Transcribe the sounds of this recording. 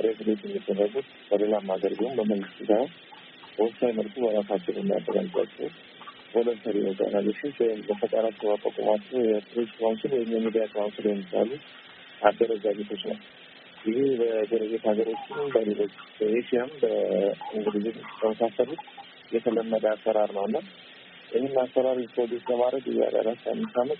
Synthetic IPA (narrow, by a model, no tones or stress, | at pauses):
əɾesɨlet̪ʼɛmːid̪onəɡut̪ | b̥əlelamaɡəɾbihumbəməŋɡɨst̪ːet̪ʰaw | b̥əwɔfsajməlkʰubəɾasat͡ʃːɛwjɛmːija̰d̪ːəɡa̰lʼːa̰kʼːɛw | boləlt̪ʰəɾioza̰naleʃinsbəfət̪ʼaɾat͡ʃːɛwmakʼo̰kʼo̰mat͡ʃ̪ːəwjɛp̪ʰɾesklamsɨlwɛɨɲːamːid̪ijakʼlamsɨljɛmːiba̰lu | mad̪ːəɾəzaɡet̪ʰo̞t͡ʃːnə̰w | jɪhebəd͡ʒeɾəɡet̪haɡəɾo̞t͡ʃːɪnbəlelo̞t͡ʃːbəjeʃiambəɨŋɡɨlɨzɨnt̪ʰəməsasəlut̪ | jɛt̪ʰələmːəd̪əasːəɾaɾnəwɨnːa | ʔɪhɪnːasːəɾaɾipɾod̪esləmaɾəd̪ɨea̰da̰ɾat̪ːa̰mːɨnt̪amːət̪